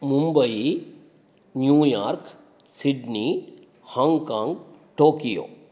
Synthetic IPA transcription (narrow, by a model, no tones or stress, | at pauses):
mumbəi | njuːjaːɾk | siɖni | hãŋɡkãːŋɡ | ʈoːkijo̰ː